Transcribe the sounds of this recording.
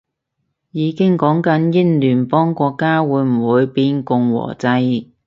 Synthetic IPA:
jiː˨˧kɪ˥ŋkɔː˨˥ŋkɐ˨˥njɪ˥nlyː˨˩npɔː˥ŋkʷɔː˧kːaː˥wuː˨˧˥jm̩˨˩wuː˨˧jpiː˧nkʊ˨˧ŋwɔ̰ː˨˩t͡sɐ˧j

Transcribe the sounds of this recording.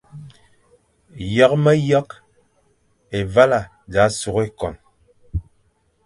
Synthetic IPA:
ja˦k̚mɛ˦ja˦k | e˨va˦la˨ | d͡ʒa˨˦su˨ke˦kɔ˨n

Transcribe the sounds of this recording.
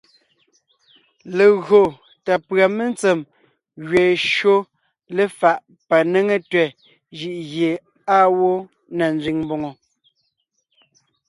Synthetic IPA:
le˨ɣɰo˨ | ta˨pɰa˨me˦n˦t͡se˨m | ɣɥe˨ʃɰo˦ | le˦fa˨ʔ | pa˨ne˦ŋe˦tɥɛ˨ | ʒi˨ʔɣje˨ | a˦wo˦ | na˨n˦d͡zɥi˨ŋmbo˨ŋo˨

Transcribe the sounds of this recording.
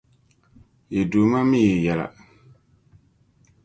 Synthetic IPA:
je˨do˨˦ma˦mɪ˦˨ɛ˨jɛ˨la̰˨

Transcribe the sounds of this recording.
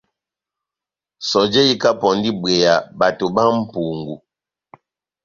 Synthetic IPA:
sɔ˨d͡ʒe˦i˦ka˦pɔ˨n˦di˦be˨ja˨ba˨to˨ba˦m̩˦pu˨ŋɡu˨

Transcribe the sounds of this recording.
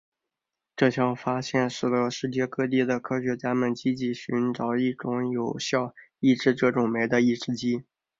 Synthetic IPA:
ʈ͡ʂɤ˥˧˩t͡ɕʰjɑ˥˩ʊfa˥ɕjɛ˥˩nʂɻ̩˨˩d̪ə˧˥ʂɻ̩˥˧t͡ɕjɛ˥˧kɤ˥˧t̪̬i˥˩d̪ə˩kʰɤ˥ɕɥɛ˧˥t͡ɕja˥mə˨˩nt͡ɕi˥t͡ɕi˧˥ɕy˧˥nʈ͡ʂɑ˨˩ʊi˥˩ʈ͡ʂʊ˧˥˦ŋjo˨˩ʊɕjɑ˥˩ʊi˥˧ʈ͡ʂɻ̩˥˧ʈ͡ʂɤ˥˩ʈ͡ʂʊ˨˩ŋme˧˥ɪd̪ə˧i˥˩˧ʈ͡ʂɻ̩˥t͡ɕi˥

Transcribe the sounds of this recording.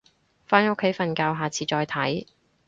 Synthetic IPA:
faː˥no˥kʰːe˨˥jfɐ˨nkaː˧wɦaː˨t͡sʰiː˨˧t͡ʃɔː˧jt̪ʰɐ˨˥j

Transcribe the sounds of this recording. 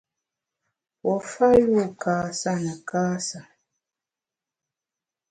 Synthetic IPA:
wɔ˨fa˦ju˦˨kaː˨sa˦nə˨kaː˦sa˨

